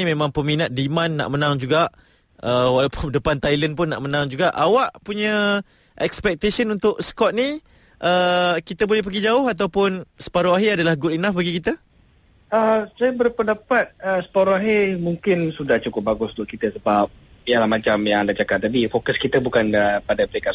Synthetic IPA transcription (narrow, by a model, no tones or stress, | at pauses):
imẽmãŋpəminaʔ̪̚dimanːa̰ʔmənãŋd͡ʒuɡaʔ | əwalapʊndəpant̪ajlənp̬ʊnːa̰ʔmənãŋd͡ʒuɡaʔawaʔpuɲə | ʔɛkspɛk̚t̪esənunt̪ʊʔskɔt̪̚ni | ʔəkit̪əbolɛhp̬əɡid͡ʒaʊɦat̪̬awpʊnsə̥paɾuaɦiadalahɡʊtinafbaɡikit̪a | əsajabərpəndapat̪̚əsə̥paɾuaɦimuŋkɪnsudaht͡ʃukʊp̚baɡʊsd̪ʊʔ̚kit̪əsəbap̚ijalahmãt͡ʃamjaŋadad͡ʒakat̪̚t̪apifokəskit̪əbukanəpadapəɾeka